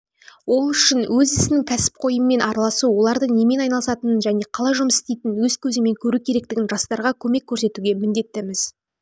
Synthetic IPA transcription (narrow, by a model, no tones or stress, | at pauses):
wo̞lˠʏʃɪnwɵzɪsɪnɪŋkʲʰæsɪ̥p̚qʰo̞jəmːe̞nʔɑɾɑlˠɑsuwo̞lˠɑɾd̪əɴne̞me̞nɑjnɑlˠəsɑt̪ənənʒæne̞qʰɑlˠɑjʒʊmsɪst̪e̞jt̪ɪnwɵz̥kʲʰɵzɪme̞ŋkʲʰɵɾukʲʰe̞ɾe̞k̚t̪ɪɡʲɪnʒɑst̪ɑɾʁɑkʲʰɵme̞kʲʰːɵɾse̞t̪uɡʲe̞mɪnd̪e̞t̪ːɪmɪz̥